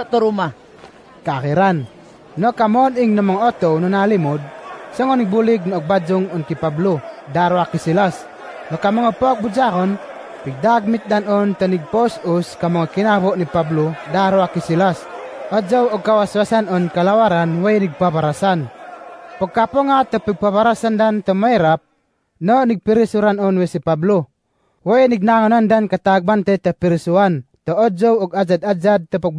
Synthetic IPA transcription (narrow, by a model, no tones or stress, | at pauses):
t̪ɔɾuma | kaːɣiɾanː | ɔkamɔːniŋnɔmɔŋɔɔt̪ɔwnɔnalimud̚sɔŋɔniɡ̚buliɡ̚nɔɔɡ̚bad͡ʒuŋɔnkipabludaɾuakisilas | nɔkamɔŋɔpɔk̚bud͡ʒaɣɔn | piɡ̚daɡ̚mit̪̚danɔnt̪ɔniɡ̚pɔsuskamɔŋɔkinaβɔʔnipabludaɾuakisilasɔd͡ʒɔwɔɡ̚kawaswasanɔnkalawaɾanwajniɡ̚paβaɾasan | pɔɡkapɔŋat̪ɔpiɡ̚paβaɾasandant̪ɔmaiɾap̚ | nɔniɡ̚piɾisuɾanɔnwesipablu | wajniɡ̚naŋɔnandankat̪aɡ̚bant̪ajt̪ɔpiɾisuant̪ɔɔd͡ʒɔwɔɡad͡ʒad̪ad͡ʒad̪̚t̪ɔpɔɡ̚